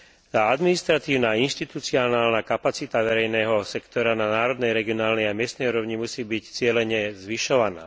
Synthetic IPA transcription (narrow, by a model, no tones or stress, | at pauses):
t̪aːad̪minist̪ɾat̪iːʊnaːinʃt̪it̪ut͡siɔnaːlnakapat͡sit̪aʋɛɾɛjnɛːɦɔsɛkt̪ɔɾananaːɾɔd̪nɛjɾɛɡiɔnaːlnɛjamɪɛst̪nɛjuːɾɔʊɲimusiːbict͡sɪɛlɛɲɛzʋiʃɔʋana̰ː